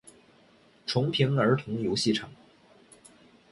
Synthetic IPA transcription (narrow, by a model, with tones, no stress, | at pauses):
ʈ͡ʂʰʊ˧˥ŋpʰi˧˥ŋə˞˧˥t̪ʰʊ˧˥ŋjo˧˥ʊɕi˥˩ʈ͡ʂʰɑ˨˩˦ŋ